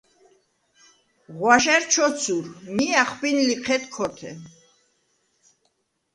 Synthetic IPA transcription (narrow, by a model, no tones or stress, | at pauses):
ʁwaʃɛɾt͡ʃʰɔt͡sʰuɾmiaχpinliqʰɛt̪kʰɔt̪ʰɛ̰